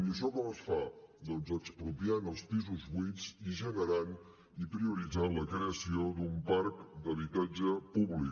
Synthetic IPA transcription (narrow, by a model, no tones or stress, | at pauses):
iəʃɔkɔməsfad̪ɔnzəkspɾupjanəlˠspizuzβiziʒənəɾan | ipɾiuɾid͡zanləkɾeəsiod̪umpaɾkd̪əβ̞it̪ad͡ʒəpuβlik